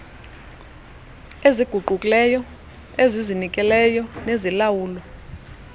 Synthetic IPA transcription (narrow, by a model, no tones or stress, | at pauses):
eziɡ̥ʱuɡ͡ǃʱukʼilɛjɔ | ezizinikʼɛlɛjɔnezilawuːlɔ